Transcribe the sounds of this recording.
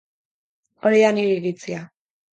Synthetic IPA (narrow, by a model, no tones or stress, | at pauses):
oɾianiɾiɾit͡sia